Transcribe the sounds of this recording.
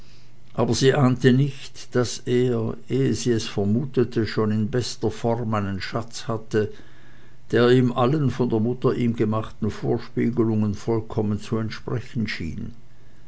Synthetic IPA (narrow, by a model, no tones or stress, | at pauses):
ʔaːbɐziːʔaːntənɪçtd̥aseːɐʔeːəziːɛsfɛɐmuːtətʰəʃoːnɪnbɛstɐfɔʁmaɪnənʃat͡shatə | d̥eːɐiːmʔalənfɔndeːɐmʊtɐʔiːmɡəmaχtn̩foːɐʃpiːɡəlʊŋənfɔlkʰɔmənt͡suɛntʃpʁ̥ɛçn̩ʃḭːn